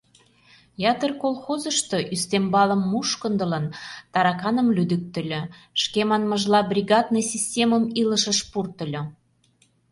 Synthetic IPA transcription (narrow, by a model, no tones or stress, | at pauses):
jɑt̪ərkolˠxozə̆ʃt̪oʔyst̪embɑlə̆mːuʃkə̆nd̪ə̆lənt̪ɑɾɑkɑnə̆mlyd̪yk̚t̪ə̆lʲø̆ʃkemɑnməʒlɑbrʲiɣɑd̪nə̆sʲisʲtʲeməmilə̆ʃəʃpurt̪ə̆lʲɤ